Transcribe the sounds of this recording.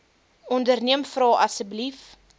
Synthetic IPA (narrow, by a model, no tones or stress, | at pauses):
ɔndərniəmfrɑːʔɐsəblif